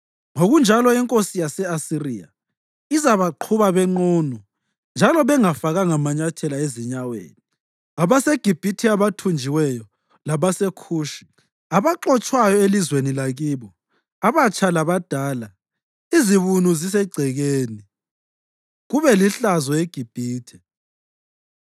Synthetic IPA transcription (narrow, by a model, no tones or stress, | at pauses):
ŋoɣund͡ʒʱalɔɛŋkʼosijasɛasiria̰ | izaβaǃʰuβaβɛŋ͡ǃɔnɔ | nd͡ʒʱalɔβɛŋafaɣaŋamaɲatʰɛlaeziɲawḛːni | aβaseɡ̥ʱib̥ʱitʰiaβatʰund͡ʒʱiwɛjɔ | laβasekʰuːʃi̥ | aβaǃɔt͡ʃʼwajɔelizwenilaɣiːβɔ | aβat͡ʃʼʰalaβad̥ʱaːla | iziβunuzis̬ɛɡ͡ǀʱɛɣeːni | ɣuβɛliɬazɔeɡ̥ʱib̥ʱiːtʰɛ̥